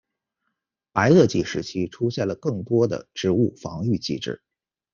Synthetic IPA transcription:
pa˧˥ɪɤ˥˧t͡ɕi˥˩ʂɻ̩˧˥t͡ɕʰi˥ʈ͡ʂʰu˥ɕjɛ˥˩nlə˩kɤ˥˩ŋt̪wɔ˥d̪ə̰˨˩ʈ͡ʂɻ̩˧˥u˥˩fɑ̰˧˥ŋy˥˧t͡ɕḭ˥˩ʈ͡ʂɻ̩̰˥˩

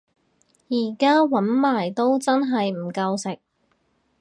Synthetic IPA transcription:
jiː˨˩kaː˥wɐ˨˥nmaː˨˩jt̪o˥wt͡sɐ˥nɦɐ˨jm̩˨˩kɐ˧wsɪ˨k̚

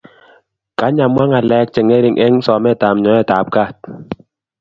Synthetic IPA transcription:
ka˨˦ɲa˨mwa˦ŋa˨lɛ˦˧k̚t͡ʃɛ˨ŋɛ˦ɾi˨ŋʔɛ˦ŋsɔ˨mɛ˦˨ta˨mɲɔ˨˦ɛ˦˨ta˨p̚ka˦˨t̚

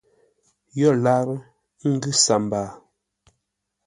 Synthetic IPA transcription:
jɔ˦˨la˦ɾ | ŋ̩˦ɡʉ˦sa˨mbaː˨

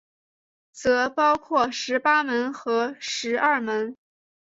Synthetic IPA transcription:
t͡sɤ˧˥pɑ˥ʊkʰwɔ˥˩ʂɻ̩˧˥pa˥mə˧˥nxɤ˧˥ʂɻ̩˧˥ʔa˞˥˩mə˧˥n

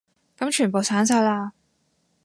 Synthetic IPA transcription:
kɐ˨˥mt͡ʃʰyː˨˩npo˨wsaː˨˥nsaː˧jlaː˧

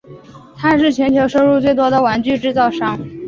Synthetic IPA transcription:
t̪ʰa˥nʂ̬ɻ̩˥˩t͡ɕʰɥɛ˧˥nt̪ʰjo˧˥ʊʂo˥ʊɻu˥˧t͡swe˥˩ɪt̪wɔ˥d̪ə˨wa˧˥nt͡ɕy˥˧ʈ͡ʂɻ̩˥˧t͡sɑ˥˩ʊʂɑ˥ŋ

